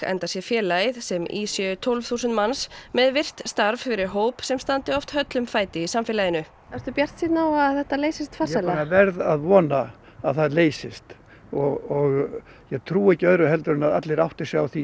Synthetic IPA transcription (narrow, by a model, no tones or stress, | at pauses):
ɛ̰nt̪asjɛfjɛːlajðsɛmḭːsjœt̪ʰɔlvθuːsʏnt̪mansmɛðvɪr̥t̪st̪aɾvfɪɾɪɾɦoːwpsɛmst̪ant̪ɪɔft̪hœt̪lʏmfaːjt̪ɪisamfɪlajɪnʏ | ɛɾ̥t̪ʏpjɛr̥t̪sit̪naːwaðθɛht̪aleːjsɪst̪fasalaavɛɾðaðvɔːna | aðθaðleːjsɪst̪ | ɔɣɔɣ | jɛɣt̪ʰɾuːɛhcɪœðɾʏɦɛlt̪ʏɾʏnaða̰t̪lɪɾawht̪ɪsjawθi